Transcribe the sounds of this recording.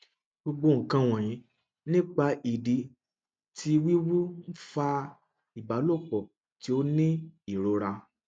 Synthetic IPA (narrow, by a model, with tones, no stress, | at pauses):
ɡ͡bo˧ɡ͡bo˧ŋ̩˨kã˧w̃ɔ̃˨j̃ĩ˨˦ | nĩ˦k͡pa˧ʔi˨di˨ | tʰi˦wi˦wu˦n̩˦fa˧ | i˨ba˨˦lo˦˨k͡pɔ˨ | ti˨˦o˦nĩ˦i˨ɾo˧ɾa˧